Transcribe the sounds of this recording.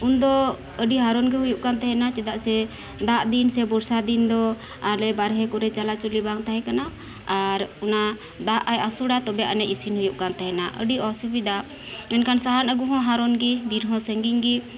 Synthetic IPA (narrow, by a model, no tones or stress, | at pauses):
und̪ɔ | əɖiɦaɾɔnɡɛɦujuʔ̚kant̪ɛɦɛnat͡ʃɛd̪aʔsɛ | d̪aʔd̪insɛbɔɾsad̪ind̪ɔ | aɾlɛbaɾɦɛkɔɾɛt͡ʃalat͡ʃulibaŋt̪aɦɛ̃kana | aɾuna | d̪aʔajasuɽat̪ɔbɛja̰ʔnɛʔisinhujuʔ̚kant̪ɛɦɛnaʔə̰ɖiɔsubid̪aʔ | ɛnkansaɦanəɡuɦɔ̃ɦaɾɔnɡɛbiɾɦɔ̃səŋɡiŋɡɛ